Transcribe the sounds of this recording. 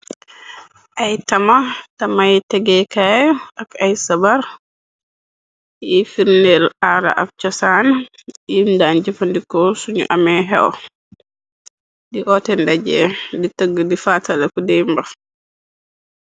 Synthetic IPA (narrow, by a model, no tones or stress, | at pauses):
ʔajtamatamataɡɛkajɔakajsabaɾ | jifiɾnɛlaɾa̰ʔa̰f̚t͡ʃɔsanajindand͡ʒɛfandikɔsuɲṵʔamɛɦɛ̰wɔ̰ | diʔɔtɛndad͡ʒɛ̰ditaɡːudifatalakudɛmba